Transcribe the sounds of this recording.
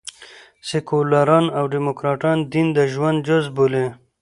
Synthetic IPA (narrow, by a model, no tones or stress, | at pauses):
sekolaɾɑnawɖimokɾɑʈɑnd̪ind̪əʒwand̪̚d͡ʒʊzbole